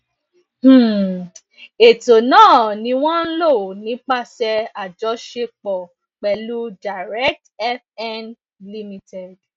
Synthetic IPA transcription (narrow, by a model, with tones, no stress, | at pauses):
h̩˦˨ | e˨to˨nãː˦˨nĩ˧˦w̃ɔ̃˦n̩˦lo˦˨nĩ˨˦k͡pa˦˨sɛ˧a˨d͡ʒɔ˨˦ʃe˧k͡pɔ˨ | k͡pɛ˨lu˦da˨ɾɛ˦k̚tɛ˦fɛ˦n | li˦mĩ˧tɛ˨d